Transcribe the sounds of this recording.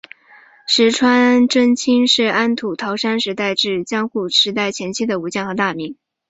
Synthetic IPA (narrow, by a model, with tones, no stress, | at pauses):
ʂɻ̩˧˥ʈ͡ʂʰwa˥nʈ͡ʂə˥ŋt͡ɕʰi˥ŋʂɻ̩˥˩a˥nt̪ʰu˨˩t̪ʰɑ˧˥ʊʂa˥nʂɻ̩˧˥t̪a˥˧ɪʈ͡ʂɻ̩˥˩t͡ɕjɑ˥ŋxu˥˩ʂɻ̩˧˥t̪a˥˩ɪt͡ɕʰjɛ˧˥nt͡ɕʰi˥d̪ə˨u˧˥t͡ɕjɛ˥˩nxɤ˧˥t̪a˥˩mi˧˥ŋ